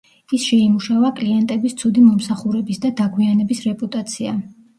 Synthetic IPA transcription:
isʃɛimuʃavakʼliɛnt̪ʼɛbist̪sʰud̪imɔmsaχuɾɛbisd̪ad̪aɡʰwianɛbisɾɛpʼut̪ʼat̪sʰia̰

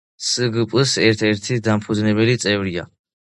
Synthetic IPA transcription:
sɨɡɨpʼsɛɾt̪ʰɛɾt̪ʰid̪ampʰud̪znɛbɛlit̪sʼɛvɾia

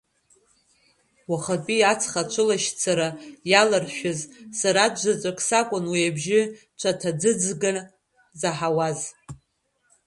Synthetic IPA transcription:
waχapʼiat͡sʰχat͡ʃʷʰɨlaʃt͡sʰaɾajalarʃᶣʊzsaɾadd͡ʒʷat͡ʃʷʼakʼsakʷʼʊnwiabʒɪ | t͡ʃʷʰatʰad͡zɨd͡zɡɨn | zaħawaz

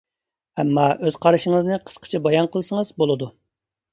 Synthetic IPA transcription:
ɛmːɑøz̥qʰɑɾɨʃɪŋəznɨqʰə̥sqʰə̥t͡ʃʰɛbɑjɑnqʰəlˠɨsəŋəzbolˠɨd̪u

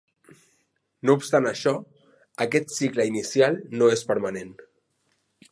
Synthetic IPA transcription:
noupst̪anaʃɔ | əkɛt̪sikləinisjalˠnoespəɾmanen

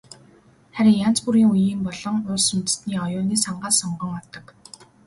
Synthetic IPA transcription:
χæɾʲɪ̆ŋjan̥t͡spuɾiːŋujiːmpɔɮɞ̆ŋʊːsɵ̆mt͡s̪̆t̪niːɔjʊːniːsaɴɢaːssɔɴɢɞ̆ŋɔt̪ɞ̆k

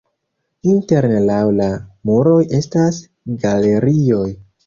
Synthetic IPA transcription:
inte̞ɾnelawlamuɾo̞jʔe̞stas | ɡale̞ɾio̞j

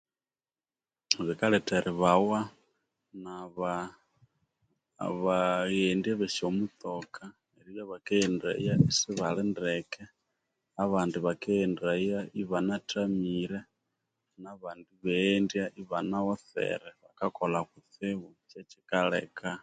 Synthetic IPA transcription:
βikaɺɛtʰɛɾʔiβawa | naβa | βaɣɛndiɛβɛʃɔmut̪ɔkʰa | ɛɾijaβakɛːnda̰ḭjaisiβaɺɛndɛkɛ | aβandiβakɛːndaijaʔiβanatʰamiɾɛ | naβandiβɛndiaʔiβanawɔθɛ̰ɾɛβakakɔlaɣut̪ʰɪβut͡ʃɛt͡ʃikaɺɛ̰ːka

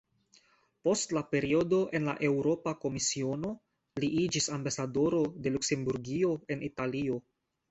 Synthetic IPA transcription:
po̞stlape̞ɾio̞do̞ʔe̞nla̰ʔe̞wɾo̞pako̞misio̞no̞ | liʔid͡ʒisambasado̞ɾo̞de̞lukse̞mbuɾɡio̞e̞nitalio̞

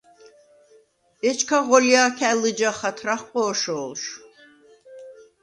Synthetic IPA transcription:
ɛt͡ʃʰkʰaʁɔljaːkʰælɨd͡ʒaχat̪ʰɾaχqʼɔːʃɔːlʃ

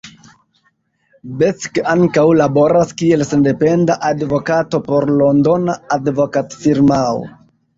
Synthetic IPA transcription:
bet͡skaŋkawlabo̞ɾaskie̞lse̞nde̞pe̞ndaʔadvo̞kato̞po̞ɾlo̞ndo̞naːdvo̞katfiɾmao̰

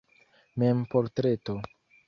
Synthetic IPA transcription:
mempoɾtɾeto

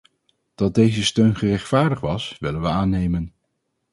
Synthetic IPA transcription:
d̥ɑt̚dejzəstøɥnχərɛχtfaːɹdəχʋɑsʋɪlənʋəaːnejmən

